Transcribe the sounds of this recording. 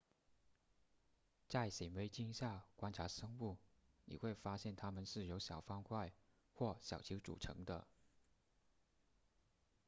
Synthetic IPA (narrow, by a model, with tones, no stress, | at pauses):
t͡sa˥˩ɪse˨˩ɪwe˧˥ɪt͡ɕi˥ŋɕja˥˩kwa˥nʈ͡ʂʰa˧˥ʂɤ˥ŋu˥˩nḭ˨˩xwe˥˩ɪfa˥ɕjɛ˥˩nt̪ʰa˥mə˨nʂɻ̩˥˩jo˧˥ʊɕjɑ˨˩ʊfɑ˥ŋkʰwa˥˧ɪ | xwɔ˥˩ɕjɑ˨˩ʊt͡ɕʰi˧˥ʊʈ͡ʂṵ˨˩ʈ͡ʂʰɤ̰˧˥ŋd̪ə̰˧